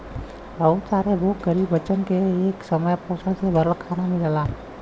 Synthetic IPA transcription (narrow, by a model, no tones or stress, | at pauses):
ɾəut͡ʃaːɾeboːɡəɾiːbʋət͡ʃənkeeːksəməjpoːsəlsebʱəɾəlkʰaːnamiləlaː